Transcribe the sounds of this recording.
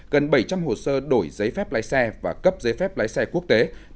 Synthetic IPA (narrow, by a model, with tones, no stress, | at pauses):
ɣə˨˩nɓə˧˩jt͡ɕa˧mho˨˩səː˧ɗo˧˩jzə˨˦jfɛ˦˥p̚laː˨˦jsɛ˧vaː˨˩kə˦˥p̚zə˨˦jfɛ˦˥p̚laː˨˦jsɛ˧ku˦˥ək̚t̪e˨˦